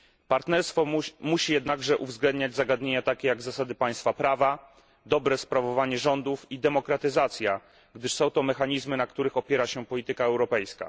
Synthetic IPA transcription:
paɾt̪nɛɾst̪fɔmuɕijɛd̪naɡʐɛʔuvzɡlɛnd̪ɲad͡ʑzaɡad̪ɲeɲat̪akʲejaɡzasad̪ɘpaj̃st̪fapɾava | d̪ɔbɾɛspɾavɔvaɲɛʐɔnd̪ufid̪ɛmɔkɾat̪ɘzat̪sʲja | ɡd̪ɘʂsɔ̃w̃t̪ɔmɛxaɲizmɘnakt̪uɾɘxɔpʲjɛɾaɕɛpɔlʲit̪ɘkaɛwɾɔpɛjska̰

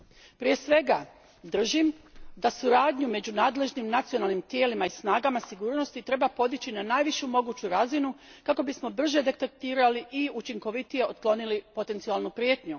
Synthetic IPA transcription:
pɾije̞sʋe̞ɡa | d̪r̩ʒimd̪asuɾaːd̪ɲume̞d͡ʑunaːd̪le̞ʒnimnat̪sijo̞nalˠnimt̪je̞ːlimaisnaːɡamasiɡuːɾno̞st̪it̪ɾe̞bapo̞d̪it͡ɕinanaːjʋiʃjumo̞ɡuːt͡ɕuɾazinukako̞bismo̞br̩ʒe̞d̪e̞t̪ek̚t̪iːɾaliʔiut͡ʃiŋko̞ʋit̪ije̞ot̪klˠo̞nilipo̞t̪e̞nt̪sialˠnupɾjet̪ɲu

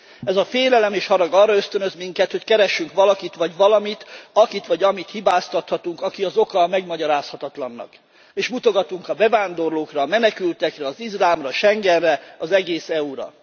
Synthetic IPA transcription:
ɛzɒfeːlɛlɛmeːʃhɒɾɒɡɒrːɒø̞st̪ø̞nø̞zmiŋkɛt̪ho̞ckɛɾɛʃːyŋkʋɒlɒkit̪ʋɒɟʋɒlɒmit̪ɒkit̪ʋɒɟɒmit̪hibaːst̪ɒt̪hɒt̪uŋkɒkiɒzo̞kɒmɛɡmɒɟɒɾaːshɒt̪ɒt̪lɒnːɒ̰k | eːʃmut̪o̞ɡɒt̪uŋkɒbɛvaːnd̪o̞rloːkrɒːmɛnɛkylt̪ɛkrɛɒzizlaːmrɒʃɛŋɡɛrrɛɒzɛɡeːsɛuɾɒ̰

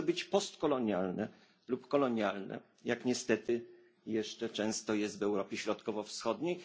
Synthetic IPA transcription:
bɘt͡ɕpɔst̪kɔlɔɲjalnɛ | lupkɔlɔɲjalnɛ̰ | jakɲɛst̪ɛt̪ɘ | jɛʂt͡ʂɛt͡ʂɛ̃w̃st̪ɔjɛst̪vɛwɾɔpʲjɛɕɾɔt̪kɔvɔfsxɔd̪ɲej

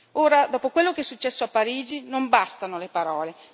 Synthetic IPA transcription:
oːɾad̪ɔːpokwelːokeɛsːut͡ʃːɛsːoapːaɾiːd͡ʒinombast̪anolepaɾɔːle

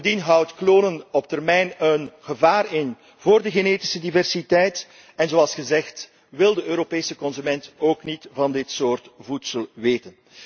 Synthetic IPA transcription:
ndinɦʌwtkloːnənɔp̚tɛrmɛjnənɣəvaːrɪn | voːrdəɣeneːti̥sədivɛrsitɛjt | ɛnzoːɑlˠsxəzɛxt | ʋɪlˠdəøːɾopeːsəkɔnzymɛntoːknitvɑndɪtsoːrtvutsəlˠʋeːtən

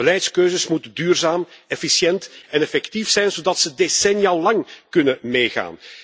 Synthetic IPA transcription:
bəlɛjtskøːzəsmutədyːrzaːmɛfisjɛntɛnɛfɛktifsɛjnzodɑtsədesɛnjalɑŋkɵnəmeːɣa̰ːn

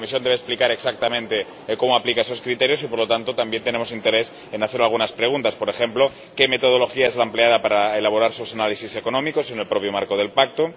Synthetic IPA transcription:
omisjo̞nd̪eesplikaɾe̞ksak̚t̪amẽnt̪e | ko̞moaplikae̞so̞skɾit̪e̞ɾjo̞sipo̞ɾlo̞t̪ant̪ot̪ambje̞nt̪ene̞mosint̪eɾe̞s | enaθe̞ɾalɣunaspɾe̞ɣ̞unt̪aspo̞ɾe̞xe̞mplo̞ | ke̞me̞t̪o̞ð̞o̞lo̞xiae̞zlampleað̞apaɾaelaβ̞o̞ɾaɾsusanalisise̞ko̞nõ̞miko̞senelpɾo̞pjomaɾko̞ð̞e̞lpak̚t̪o

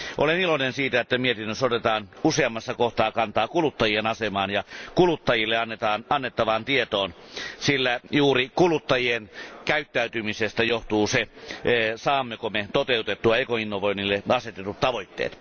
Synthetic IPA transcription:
ʔolenilonensiːt̪æet̪ːæmiet̪inːøsot̪et̪ɑːnuseɑmːɑsːɑkoht̪ɑːkɑnt̪ɑːkulut̪ːɑjienɑsemɑːnjɑkulut̪ːɑjilːeɑnːet̪ɑːnʔɑnːet̪ːɑʋɑnt̪iet̪oːn | silːæjuːrikulut̪ːɑjienkæyt̪ːæyt̪ymisest̪æjoht̪uːse | sɑːmːekomet̪ot̪eut̪et̪ːuɑeikoinːoʋoinilːeɑset̪et̪ut̪t̪ɑʋoit̪ːḛːt̪

